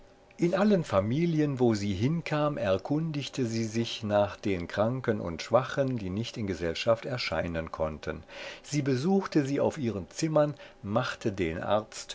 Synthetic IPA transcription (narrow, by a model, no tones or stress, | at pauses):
ʔɪnʔalənfamiːljənvoːziːɦɪnkʰaːmʔɛɐkʰʊndɪçtʰəziːzɪçnaːχd̥eːnkʁ̥aŋkənʊ̰ntʃv̥aχəndiːnɪçtɪnɡəzɛlʃaftɛɐʃa̰ɪnənkʰɔntʰənz̥iːbəzuːxtəziːa̰ʊfʔiːʁ̞ənt͡sɪmɐnmaχtʰədeːnʔa̰ɐt͡st